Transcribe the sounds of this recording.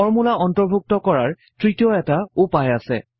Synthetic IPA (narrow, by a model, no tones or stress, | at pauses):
ɔɹmulaɔntɔɹbʱuk̚tɔkɔɹaɹ | tɹitijɔɛtaupajasɛ̰